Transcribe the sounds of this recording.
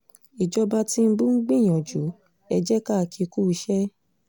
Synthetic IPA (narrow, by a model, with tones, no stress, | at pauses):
i˨d͡ʒɔ˧ba˧ti˦˧˦ɡ͡bũ˦ŋ̩˦ɡ͡bĩ˦˨j̃ɔ̃˨d͡ʒu˨˦ | ɛ˧d͡ʒɛ˦ka˦˨kʰi˧ku˦i˧ʃɛ˦